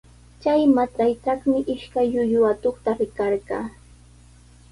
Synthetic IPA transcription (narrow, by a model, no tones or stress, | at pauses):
t͡ʃajmat͡sajt̪ɑχmɪʔɪʃkajːʊjʊat̪oχt̪aɾɪkɑɾɢɑ̰ː